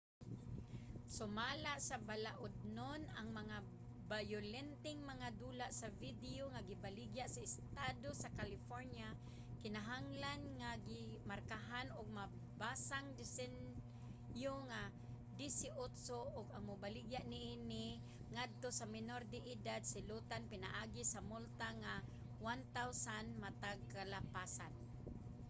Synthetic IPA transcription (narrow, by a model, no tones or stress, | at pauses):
sʊmalaʔsabalaʔʊd̪̚nonaŋmaŋa | bajʊlɛnt̪ɪŋmaŋad̪uːlaʔsavid̪ɪoŋaɡɪbalɪɡjaʔsaɪst̪ad̪osakalɪfoɾnja | kɪnaɦaŋlanŋaɡɪmarkaɦanʊɡ̚ma | basaŋdɪsɛn | joŋa | disɪʔʊt̪soʔʊɡaŋmʊbalɪɡjaʔnɪʔinɪ | ŋad̪̚t̪osamɪnordɪʔɪdad̪sɪlut̪anpɪna̰ʔaːɡisamʊlt̪aŋa | want̪awsanmat̪aɡ̚kalapasan